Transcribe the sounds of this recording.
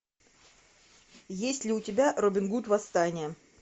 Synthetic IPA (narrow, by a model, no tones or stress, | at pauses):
jesʲtʲlʲɪʊtʲɪbʲaʔrobʲɪnɡut̪vɐst̪anʲɪjə